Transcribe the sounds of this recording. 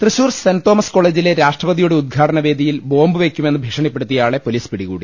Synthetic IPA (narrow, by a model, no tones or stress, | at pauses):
t̪rɨɕuːrsɐnt̪oːmɐsko̞ːɭe̞ːd͡ʑile̞ɾaːʂʈrɐʋɐd̪ijuɽeud̪̚ɡʱaːʈɐnɐʋeːd̪ʱijilbo̞ːmbɨʋe̞kʲːume̞nːɨbʱikʂɐɳip̬ːeɽut̪ːijaːɭe̞po̞liːspiɽiɣuːɽi